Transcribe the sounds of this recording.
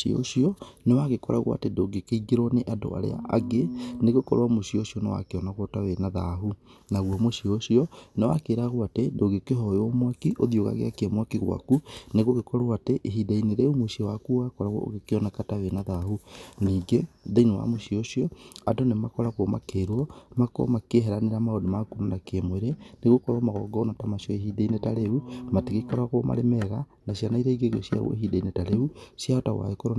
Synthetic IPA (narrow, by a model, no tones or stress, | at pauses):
o̰ɕiɔnewaɣekɔɾa̰ɣw̰a̰tedoɡekeiɡeɾɔneʔado̰a̰ɾḛa̰ʔaɡeneɣokɔ̰ɾowamoɕioɕiɔnewa̰keɔnaɣwɔtawenaðaɦunaɣwɔmoɕioɕiɔnewa̰keːɾaɣoatedoɡekeɦɔjɔmwakiʔoðjoɣa̰ɣḛakeɛmwakiɣwa̰kuneɣoɣekɔɾoateʔeɦidaineɾeumoɕiɔwakuɣakɔɾaɣɔ̰o̰ɣekeɔnakatawenaðahuniːɡeðeinewa̰moʃioʃijɔadonemakɔɾaɣoma̰keɾwɔmako̰makeɦɛɾaneɾamaodomakunanakemoeɾeneɣokoɾamaɣɔɡɔnatamasjɔehidainetaɾeumateɣekɔɾaɣoma̰ɾemɛɣanasjanaiɾeiɡeɣo̰sja̰ɣo̰ḛhidainetaɾeusjaɔta̰wa̰ekoɾo